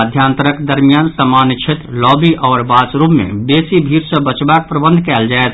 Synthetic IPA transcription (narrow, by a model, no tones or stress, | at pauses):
d̪ʱjaːnt̪əɾəkd̪əɾmijaːnsəmaːnt͡ʃʰet̪ɾlɔːbiʔɔːɾbaːt͡ʃɾubmḛ̃beːsibʱiːɾsə̃bət͡ʃbaːk̚pɾəbə̃nd̪ʱkɛːld͡ʒaːet̪ʰ